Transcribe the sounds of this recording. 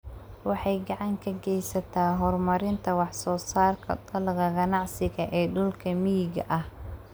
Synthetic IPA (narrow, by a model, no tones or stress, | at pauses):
wɑħɑjɡɑʕɑŋkʰɐɡɛjsɐt̪ʰaːɦɔrmɐɾɪnt̪ʰɐwɑħsɔːsaːrkʰɐ̰d̪ɐlɣɐɡɐnɑʕsɪɣɐʔɛːɖʊlkʰɐmijɡɐ̰ʔɐh